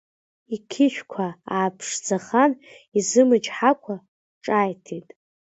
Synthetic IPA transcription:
ikʲʰɪʃᶣkʷʰaaːpʰʂd͡zaχan | izɨmɨd͡ʒħakʷʰa | ʈ͡ʂʼajtʰitʼ

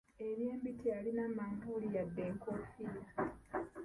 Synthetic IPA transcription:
eβjeːmbitʰialinamambulijadːe̞ːŋkofila

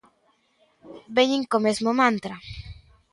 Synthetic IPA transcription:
beɲiŋkomezmomãnt̪ɾa

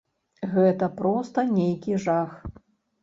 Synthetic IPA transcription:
ɣɛt̪ɐpɾɔst̪ɐnʲejkʲiʐax

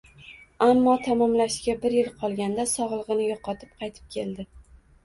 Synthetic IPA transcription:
amːɒt̪ʰamɒmlaʃɡʲabɪɾjɪlˠqʰɒlˠɡʲand̪asɒʁlˠʁɨnɪjoqɒt̪ʰɪp̚qʰɑjt̪ʰɪ̥p̚kʲʰe̞ld̪ɪ

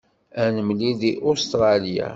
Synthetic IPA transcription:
ænəmliðiʔost̪ɾˤɑlja̰

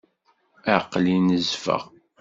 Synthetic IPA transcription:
æqːlinəzfə̰ʁ

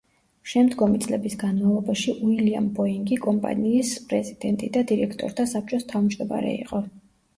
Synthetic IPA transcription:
ʃɛmd̪ɡɔmit̪sʼlɛbisɡanmavlˠɔbaʃiʔuilia̰mbɔiŋɡikʼɔmpʼa̰niːspʼɾɛzid̪̥ɛnt̪ʼid̪ad̪iɾɛkʰt̪ʼɔ̰ɾt̪ʰasap̚ʰt͡ʃʼɔst̪ʰavmd͡ʒd̪ɔma̰ɾɛ̰ḭqʼɔ

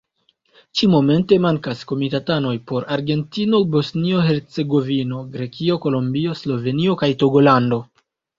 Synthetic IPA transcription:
t͡ʃimo̞me̞nte̞maŋkasko̞mitatano̞jpo̞ɾaɾɡe̞ntino̞bo̞snio̞ɦe̞ɾt͡se̞ɡo̞vino̞ɡɾe̞kio̞ko̞lombio̞slo̞ve̞nio̞kajto̞ɡo̞lando̞

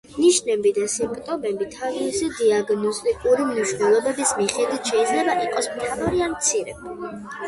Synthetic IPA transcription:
niʃnɛbid̪asimpʼt̪ʼɔmɛbit̪ʰavisid̪iaɡnɔst̪ʼikʼuɾimniʃwnɛlˠɔbɛbismiχɛd̪it̪ʰʃɛid̪zlɛbaʔiqʼɔsmt̪ʰavaɾiamt̪sʰiɾɛ

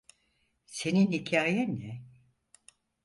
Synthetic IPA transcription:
se̞ninhicʰaːjɛnɛ

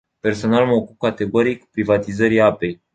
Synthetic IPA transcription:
pe̞rso̞nalməokup̚kat̪e̞ɡo̞ɾijkupɾivat̪izəɾiape̞j

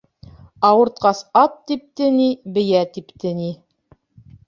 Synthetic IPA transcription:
ɑwɤ̆ɾt̪̚qɑsɑt̪ːip̚t̪ɘ̆nibɘ̆jæt̪ipt̪ɘ̆ni

